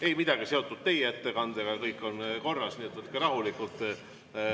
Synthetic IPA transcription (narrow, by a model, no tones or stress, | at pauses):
e̞jmid̪̥ɑɡ̥ise̞o̞t̪ːˑud̪̥̚t̪e̞jeet̪ːe̞kɑnd̪̥e̞ɡɑkɤjkːˑo̞nko̞rːɑsniet̪vɤt̪keɾɑɦulikˑult̪ˑ